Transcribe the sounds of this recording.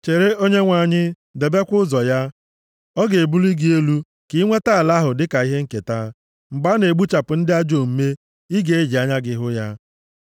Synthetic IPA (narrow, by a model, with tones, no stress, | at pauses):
t͡ʃe˨ɾe˦o˦ɲe˦ŋʷa˨ɲɪ˦ | de˨be˦kʷʊ˦zɔ˨ja˦ | ɔ˦ɡe˨e˨bu˦li˦ɡi˦e˦lu˦ | ki˨˦ŋʷe˦ta˦a˨la˦ɦʊ˨dɪ˦ka˨i˦ɦe˦ŋ̩˦ke˨ta˦ | ŋ͡m̩˨ɡ͡ba˦ne˨ɡ͡bu˦t͡ʃa˨pʊ˨n̩˦dɪ˦a˦d͡ʒo˨m̩˦me˦ | i˦ɡe˨e˦d͡ʒi˨a˦ɲa˦ɡɪ˦ɦʊ˦ja˦